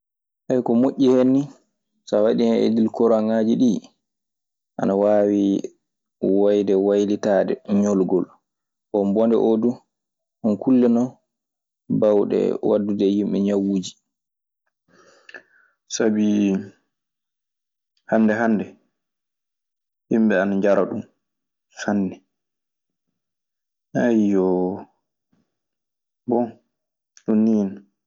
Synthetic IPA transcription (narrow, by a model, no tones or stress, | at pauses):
ʔajkɔmoʔʲːihenːi | sawaɗinɛḛdilkɔɾaŋaːd͡ʒiɗi | ʔa̰nawaːwi | wajdɛwajlitaːdɛɲɔlɡɔl | ɓɔmbɔndɛ̰ʔodu | ʔɔnkulːɛnɔ | bawɗɛ̰wadːudɛjimɓɛɲawuːd͡ʒi̥ | sabi | hanːdɛɦanːdɛ | himbɛanaɲd͡ʒaɾaɗum | sanːɛ | ʔajɔ | bɔn | ɗunːin